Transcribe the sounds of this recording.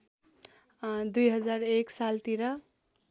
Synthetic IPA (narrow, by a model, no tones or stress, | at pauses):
d̪ujɦʌd͡zaɾeksalt̪iɾʌ